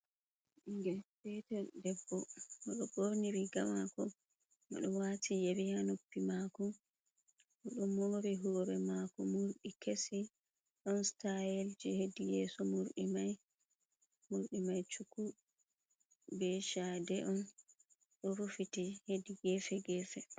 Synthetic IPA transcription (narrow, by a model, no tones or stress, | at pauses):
ʔiŋɡɛsɛtɛdɛbːɔmɔɗɔɡoɾniɾiɡamakɔ | mɔ̰ɗɔwatʰijebihanopːimakɔ | ʔɔɗɔmːoɾiɦuɾɛmakɔmuɾɗikesi | ɗɔnstajeld͡ʒihedijɛːsɔmuɾɗimaj | muɾɗimajt͡ʃuku | bɛʃadɛʔɔn | ɗɔɾufitihediɡɛfɛɡɛfɛ